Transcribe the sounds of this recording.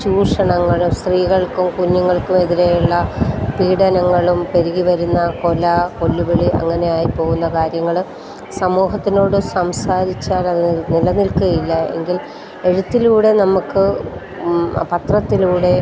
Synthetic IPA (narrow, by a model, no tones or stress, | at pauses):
ɕuːʂɐɳɐŋːɐɭumst̪riːɣɐɭkumkuɲːuŋːɐɭkume̞ðiɾejuɭːɐpiːɽɐnɐŋːɐɭumpe̞ɾiɣiʋɐɾunːɐko̞lɐko̞lːubeɭiʔɐ̰ŋːɐne̞jaːjipo̞ːɣunːɐkaːɾjɐŋːɐɭ | sɐmuːɦɐt̪ːino̞ːɽɨsɐmsaːɾit͡ɕːaːlɐðɨnilɐnilkuɣɐjilːɐe̞̰ŋɡil | e̞ɻut̪ːiluːɽe̞nɐmukːɨ | pɐt̪rɐt̪ːiluːɽe̞